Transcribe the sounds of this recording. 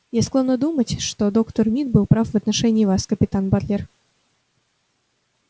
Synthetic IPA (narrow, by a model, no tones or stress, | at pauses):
jesklˠonːəd̪umətʲʂt̪od̪okt̪ərmʲit̪̚bɨlˠpɾafvɐt̪nɐʂɛnʲɪːvaskəpʲɪt̪anbarlʲer